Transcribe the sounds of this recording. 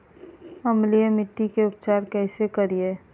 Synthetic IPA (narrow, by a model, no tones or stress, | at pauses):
ɐmlijemɪʈːikeʊpt͡ʃaːɾkɛːsekɐɾie